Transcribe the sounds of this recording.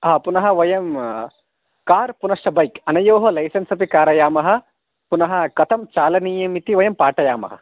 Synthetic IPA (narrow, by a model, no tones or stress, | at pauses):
ɦaːpunɐɦɐ̆ʋɐjɐm | kaːɾpunɐʂʈɐbɐjkɐnɐjoːɦɐlɐjsɐnsɐpikaːɾɐjaːmɐɦɐ̆ | punɐɦɐ̆kɐt̪ʰɐmt͡ʃaːlɐniːjɐmit̪iʋɐjɐmpaːʈɐjaːmɐ̰ɦɐ̰